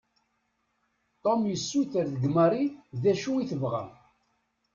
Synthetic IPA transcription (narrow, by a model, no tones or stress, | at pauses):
t̪ˤomjəsːuθəɾðəɡməɾˤiðæʃuiθəvʁæ̰